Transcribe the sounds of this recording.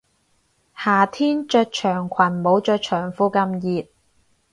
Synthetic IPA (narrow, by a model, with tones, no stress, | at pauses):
haː˨˩t̪ʰiː˥nt͡ʃœː˧t̚t͡ʃʰœː˨˩ŋkʷʰwɐ˨˩nmo˨˧wt͡ʃœː˧k̚t͡ʃʰœː˨˩ŋfuː˧kɐ˧mjiː˨˧t̚